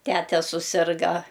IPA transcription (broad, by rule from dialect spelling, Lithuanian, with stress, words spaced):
ˈtʲæːtʲɛ sʊˈsʲɪrɡɐ